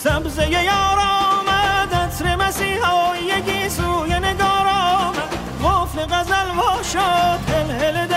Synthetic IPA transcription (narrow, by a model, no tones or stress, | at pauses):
sæbzejejɑːɾɑːmæd̪æsɾemæsiːhɑːjjekʰisuːjeneɡɑːɾɔːmæ | ʁoːfleɣæzælbɔːʃɔːt̪ʰelheled̪